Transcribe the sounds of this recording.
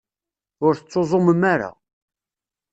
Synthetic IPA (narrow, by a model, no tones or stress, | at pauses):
ʊɾθət͡sːozˤoməmaɾa̰